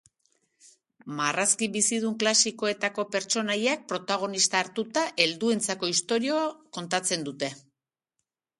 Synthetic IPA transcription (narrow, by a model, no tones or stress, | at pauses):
maraskiβisið̞uŋklasiko̞e̞t̪ako̞pe̞ɾt͡ʃo̞najak̚pɾo̞t̪aɣ̞o̞nist̪aːɾt̪ut̪aʔe̞ld̪ue̞nt͡sako̞ist̪o̞ɾioko̞nt̪at͡se̞nd̪ut̪e̞